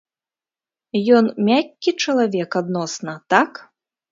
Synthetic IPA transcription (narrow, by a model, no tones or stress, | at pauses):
jɔnmʲakʲːit͡ʂɐlˠavʲɛkad̪nɔsnɐt̪ak